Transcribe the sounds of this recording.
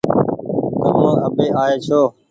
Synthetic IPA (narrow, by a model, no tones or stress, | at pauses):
t̪əmãːəbeːʔaːeːt͡ʃʰoː